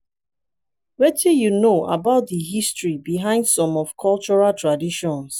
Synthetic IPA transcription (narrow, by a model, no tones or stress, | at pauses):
wɛtʰijunoʔa̰baʊt̚dəɦistɹibiɦãɪ̃ndsɔ̃mɔv̥kʰɔlt͡ʃɔɹaltʰɹadiʃɔ̃ns